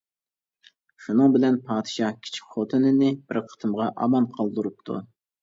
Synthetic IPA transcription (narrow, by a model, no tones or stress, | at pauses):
ʃunɨŋbɪlɛnpʰɑːd̪ɨʃɑhkʲʰi̥t͡ʃʰi̥kʲχot̪ʰɨnɪnɪbɪɾqʰə̥t̪ʰɨmʁɑʔɑ̰mɑnqʰɑlˠd̪ɨɾup̚t̪ʰṵ